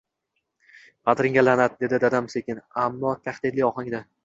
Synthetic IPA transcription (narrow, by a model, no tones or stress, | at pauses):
qɑt̪ɾɪŋʲalanad̪̚d̪e̞d̪ɪd̪ad̪amsekʲɪnamːɒt̪ʰaχd̪ɪd̪lɪɒχaŋd̪a